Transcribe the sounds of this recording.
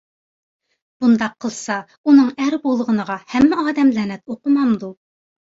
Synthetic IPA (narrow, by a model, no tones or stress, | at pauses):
b̥und̪ɑqʰːəlˠsɑ | unɨŋæɾbolˠʁənəʁɑhɛmːɛɑːd̪ɛmlænɛt̪oqəmɑmd̪u